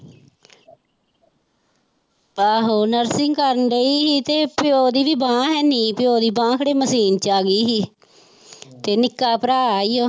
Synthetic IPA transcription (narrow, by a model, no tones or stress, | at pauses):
aːɦoːnəɾsɪŋɡkəɾənleiːɦiːt̪eːpɪjoːd̪iːʋiːbãːɦɛːniːpɪjoːd̪iːbãːkʰəɽeːməsiːnt͡ʃaːɡiːɦiː | t̪eːnɪkːaːpəɾaːaːijoː